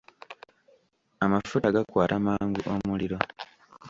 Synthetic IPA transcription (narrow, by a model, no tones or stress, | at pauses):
amafutaɡakwaːtamaːŋɡuʔomuliɾo̞